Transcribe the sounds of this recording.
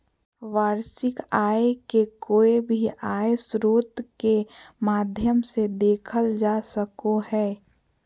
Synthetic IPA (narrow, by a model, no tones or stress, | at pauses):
ʋaːɾsɪkaːekekoːebʱiʔaːesɾoːt̪kemaːd̪ʱjəmsed̪eːkʰəld͡ʒasəkohɛː